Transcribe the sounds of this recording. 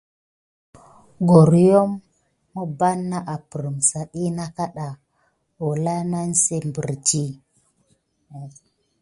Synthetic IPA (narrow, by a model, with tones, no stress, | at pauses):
ɡo˨ɾjo˦mː | o˦ba˦nːa˦ʔa˨pə˨ɾə˨msa˨ɗi˦na˦ka˦ɗa˨ | wo˨la˦na˦nse˦mbḭ˨ɾd͡ʒi˦˨